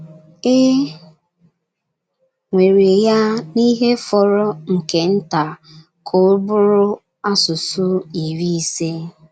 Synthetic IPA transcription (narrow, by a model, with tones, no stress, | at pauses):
e˦ | ŋʷe˨ɾe˨ja˦ni˦ɦe˦fɔ˨ɾɔ˦ŋ̩˨ke˨n̩˦ta˨ | kʰo˦bʊ˦ɾʊ˦ | a˦sʊ˨sʊ˦i˨ɾi˦i˦se˦